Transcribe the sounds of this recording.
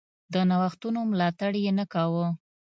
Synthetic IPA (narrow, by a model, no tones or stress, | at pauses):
d̪ənawaxt̪unomlɑt̪aɽjenakawə